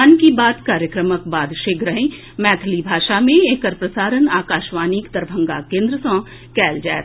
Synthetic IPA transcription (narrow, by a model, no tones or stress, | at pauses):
nkibaːt̪kaːɾjəkɾəmək̚baːd̪ʃɪkʰɾəɦẽ | mɛːt̪ʰəlibʱaːʃamẽeːkəɾpɾəsaːɾənaːkaːʃʋaːniːkt̪əɾbʱə̃ŋɡakẽːnd̪ɾəsɔ̃ː | kɛːld͡ʒaːt̪